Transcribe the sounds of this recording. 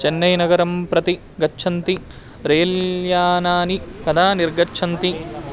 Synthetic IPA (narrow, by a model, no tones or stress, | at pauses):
t͡ʃenːɐjnɐɡɐɾɐmpɾɐt̪i | ɡɐːʃʰɐnt̪i | ɾeːljaːnaːnikɐd̪aːniɾɡɐtːt͡ʃʰɐnt̪i